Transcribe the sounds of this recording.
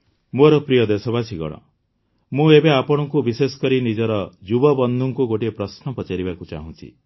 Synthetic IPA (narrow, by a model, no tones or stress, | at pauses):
moɾɔpɾijɔd̪esɔbasiɡɔ̰ɽ̃ɔ̰ | mũebeapɔɽ̃ɔŋkubisesɔ̥kɔɾinid͡ʒɔɾɔd͡ʒubɔbɔnd̪ʱuŋkuɡoʈiepɾɔsnɔpɔt͡ʃaɾibakut͡ʃa̰ɦũt͡ʃʰḭ